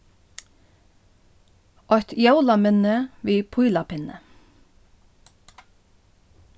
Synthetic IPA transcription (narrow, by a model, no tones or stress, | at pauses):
ɔht̪jawlamʏnəviːpʰujlapɪnə̰